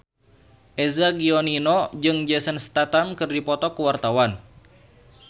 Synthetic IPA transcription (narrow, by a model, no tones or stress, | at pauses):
ʔɛzaɡiɔninɔd͡ʒɨŋd͡ʒɛsənst̪at̪amkɨrdipɔt̪ɔkuwart̪awan